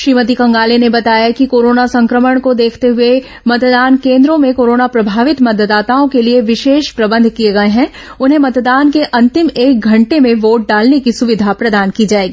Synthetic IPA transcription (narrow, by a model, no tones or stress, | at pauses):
ʃɾiːmət̪̬ikɐ̃ŋɡaːlenebɐt̪aːjakikoːɾoːnasɐ̃ŋkɾəməɽ̃kod̪eːkʰt̪eɦʊe | mɐt̪d̪aːnkẽːnd̪ɾõmẽkoːɾoːnapɾɐbʱaːʋɪt̪mɐd̪əd̪ːaːt̪aːõkelieʋɪʃeːʃpɾɐbə̃nd̪ʱkieɡɐeɦɛ̃ | ʊnɦẽmɐt̪d̪aːnkeʔɐ̃nt̪ɪmeːk̚ɡʱɐ̃ɳʈemẽʋoːʈ̚ɖaːlnekisʊʋɪd̪ʱapɾɐd̪aːnkid͡ʒaːeːɡiː